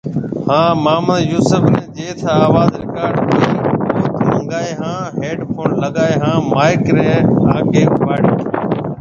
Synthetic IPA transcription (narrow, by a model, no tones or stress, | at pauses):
hãːmaːməd̪juːsəfnẽːd͡ʒeːt̪ʰaːaːʋaːzɾɪkaːɾɖkiːʊft̪mə̃ŋɡaːeːɦãːɦeːɖpʰoːnləɠaːeːɦãːmaːɪkɾẽːaːkeːʋaːɽiː